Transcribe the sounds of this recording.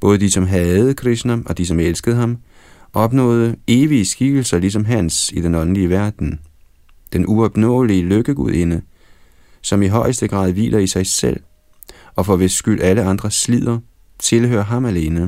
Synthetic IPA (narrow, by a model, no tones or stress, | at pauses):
b̥ɔ̽ːð̞ˠəd̥isɒ̽mɦɛð̩ˠkʰʁisnæɒ̽d̥is̬ɒ̽melsɡ̥əðˠəɦɑ̈m | ʔɒ̽b̥nɔ̰̽ːð̞ˠəe̝ːʋiəsɡ̥iɡ̥l̩sɐlis̬ɒ̽mɦænsid̥enɒ̽nn̩liəʋæɐd̥n̩ | d̥enʔuɒ̽b̥nɔ̰̽ːliəløɡ̥əɡ̥uð̰ˠe̝nə | sɒ̽miɦɒ̽ɪ̰əsd̥əɡ̥ʁɑ̰̈ːðˠʋḭːlʔɐisɑ̈ɪsel̰ | ɒ̽fɒ̽ʋe̝sɡ̥yl̰ʔæləɑ̈nd̥ʁɐslið̰ˠɐ | t͡sʰe̝lɦø̰ːɐɦɑ̈mæle̝ːnə